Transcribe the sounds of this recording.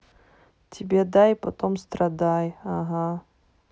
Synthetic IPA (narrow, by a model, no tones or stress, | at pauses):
tʰʲibʲed̪ajpat̪omst̪rad̪ajaɦa